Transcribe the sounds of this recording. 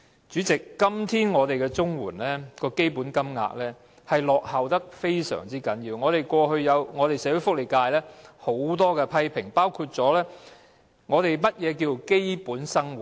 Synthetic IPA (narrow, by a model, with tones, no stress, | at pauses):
t͡ʃyː˨˥t͡sɪ˨kːɐ˥mt̪ʰiː˥nŋɔː˨˧t̪e˨jkɛː˧t͡sʊ˥ŋwuː˨˩nlɛː˥kɔː˧ke˥jpuː˨˥nkɐ˥mŋa̰ː˧k̚lɛː˥ | hɐ˨jlɔː˨k̚hɐ˨wt̪ɐ˥k̚fe˥jsœ̰ː˨˩ŋt͡siː˥kɐ˨˥njiː˧wŋɔː˨˧t̪e˨jkʷɔː˧hɵ˧ɥjɐ˨˧wŋɔː˨˧t̪e˨jsɛː˨˥kɵ˨˧˥fʊ˥k̚li˨˩kaː˧jlɛː˥ho˨˥wt̪ɔː˥kɛː˧pʰɐ˥jpʰɪ˨˩ŋpaː˥wkʰuː˧t̚t͡sɔː˨˥lɛː˥ | ŋɔː˨˧t̪e˨jmɐ˥t̚jɛː˨˧k̬iː˧wke˥jpuː˨˥nsɐ˥ŋw̚